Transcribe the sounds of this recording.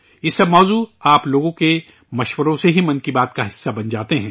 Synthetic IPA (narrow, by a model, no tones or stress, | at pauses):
ɪsːɐbmɔːzuːaːploːɡõke | mɐʃwəɾõseɦimɐ̃nkibaːt̪kaɦɪsːabɐnd͡ʒaːt̪eɦɛ̃ː